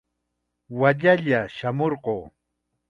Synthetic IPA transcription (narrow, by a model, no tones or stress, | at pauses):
waʎaʎaʃamoɾqoː